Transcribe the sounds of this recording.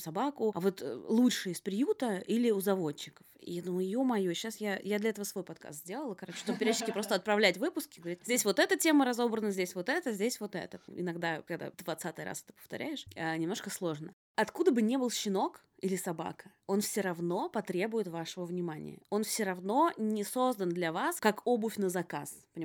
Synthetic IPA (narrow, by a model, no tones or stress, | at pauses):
sɐbakʊɐvo̞t̪lˠutʂɨɪspɾʲɪjut̪əʔilʲɪʊzɐvo̞d̪t͡ɕːɪkə̥fɪ̰jad̪umjumɐjuɕːasjajad̪lʲɐɛt̪əvəsvo̞jpɐt̪̚ka̰st̪zʲdʲe̞lˠəlˠəkɐɾot͡ɕːɪ̥ʂt̪obəpʲɪɾʲɛɕʲɪkʲɪpɾo̞st̪əɐt̪̚pɾɐvlʲætʲvɨpʊskʲɪɡəvɐɾʲitʲzʲdʲesʲvo̞t̪ɛt̪ətʲe̞məɾɐzo̞bɾənəzʲdʲesʲvo̞t̪ɛt̪əzʲdʲesʲvo̞t̪ɛ̰t̪əɪ̰nɐɡd̪akɐɡd̪a̰d̪vɐt̪sat̪ɨjra̰sɛ̥t̪ə̥pə̥ft̪ɐ̰ɾʲʔæɪʂanʲɪmnoʂkəslˠo̞ʐnə | ɐt̪kud̪əbɨnʲe̞bɨlˠɕːɪno̞k | ilʲɪsɐba̰kə | o̞nfsʲɪɾɐvno̞pɐt̪ɾʲe̞bʊjɪt̪vaʂəvəvnʲɪmanʲɪ̰jə̰o̞nfsʲɪɾɐvno̞nʲɪso̞zd̪ənd̪lʲɐvaskakobʊfʲnəzɐka̰spənʲɪ